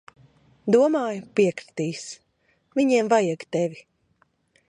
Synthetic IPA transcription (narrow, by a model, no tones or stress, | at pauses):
d̪uɔmaːjupiɛkɾi̥t̪iːs | viɲiɛmvajaɡt̪ɛvʲi